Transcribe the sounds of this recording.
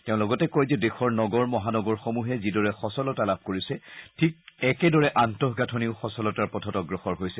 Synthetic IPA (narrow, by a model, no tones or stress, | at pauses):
teʊ̃lɔɡɔtɛkojzɛdexɔɹnɔɡɔɹmɔɦanɔɡɔɹxomuɦɛzidɔɹɛxɔsɔlɔtalab̚ʱkoɹisɛtʰik̚ɛkɛdɔɹɛʔantɔɦɡatʰɔniʊxɔsɔlɔtaɹpɹɔtʰɔtɔɡɹɔxɔɹɦojsɛ